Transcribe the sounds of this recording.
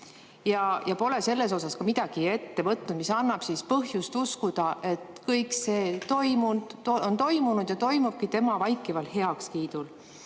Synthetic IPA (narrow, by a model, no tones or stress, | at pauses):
jɑjɑpo̞le̞se̞lːe̞s̬o̞sɑskɑmid̪̥ɑɡ̥ie̞t̪ːe̞vɤt̪nud̥̪misɑnːɑb̥sispɤɦjust̪uskud̪̥ɑʔe̞t̪kɤjkse̞ːt̪o̞jmund̥̪ont̪o̞jmunud̪̥jɑt̪o̞jmub̥̚kit̪e̞mɑvɑjkːˑivɑlhɦe̞ɑkskiːd̪̥ul